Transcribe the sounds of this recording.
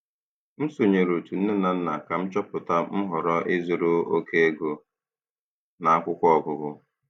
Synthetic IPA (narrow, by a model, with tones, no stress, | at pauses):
m̩˦so˨ɲe˨ɾo˨tu˨n̩˦ne˦na˨n̩˦na˨ka˨m̩˦t͡ʃɔ˦pʊ˨ta˦m̩˦ɦɔ˨ɾɔ˦ʔɪ˦zʊ˨ɾʊ˦o˦kʰe˦e˦ɡo˨ | na˨a˦kʷʊ˦kʷɔ˨ɡʊ˨ɡʊ˦